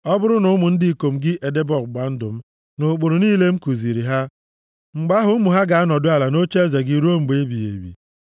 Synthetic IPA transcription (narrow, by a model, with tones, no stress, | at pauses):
ɔ˦bʊ˦ɾʊ˦nʊ˦ʊ˦mʊ˨n̩˦dɪ˦i˨ko˨m̩˦ɡɪ˦ʔe˨de˦bɔ˨k̚ɡ͡ba˨n̩˦dʊ˨m̩˦ | nʊ˨k͡po˨ɾʊ˨niː˦le˦ŋ͡m̩˦ku˨zi˨ɾi˨ɦa˦ | ŋ͡m̩˨ɡ͡ba˦ɦʊ˦mʊ˨ɦa˦ɡa˨a˦nɔ˨dʊ˦a˨la˨no˦t͡ʃe˦ze˨ɡi˨ɾu˦o˦m̩˨ɡ͡be˨˦bi˨ḛ˨bḭ˨